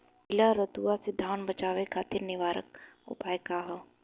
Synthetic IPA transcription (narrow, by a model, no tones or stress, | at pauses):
kɪlaɾət̪uːased̪ʱaːnbɐt͡ʃaːʋekʰaːt̪ɪɾnɪʋaːɾə̰k̚ʊ̰paːjkaɦo